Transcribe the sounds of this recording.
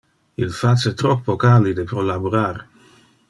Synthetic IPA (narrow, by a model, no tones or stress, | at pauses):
ilfat͡ʃet̪ɾɔkpokalid̪epɾolaboɾaɾ